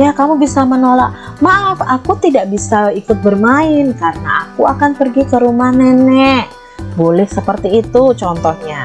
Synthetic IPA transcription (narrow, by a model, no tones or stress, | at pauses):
jakamubisamənolaʔ | maafakut̪idaʔbisaikʊt̪̚bərmaɪnkaɾəna̰ʔakuakanpərɡikəɾumahnɛnɛʔ | bolɛhsəpərt̪iːt̪ut͡ʃɔnt̪ɔhɲa